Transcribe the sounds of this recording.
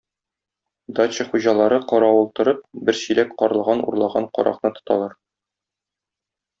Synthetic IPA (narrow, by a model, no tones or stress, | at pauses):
d̪ɑt͡ɕɘχuʑɑlˠɑɾɤqɒɾɑwulˠt̪ɤ̆ɾɤp̚bɘɾsilækqɒɾɤ̆lˠʁɑnṵɾlˠɑʁɑɴqɒ̰ɾʔɑ̰qnɤt̪ŏ̥t̪ɑlˠɑɾ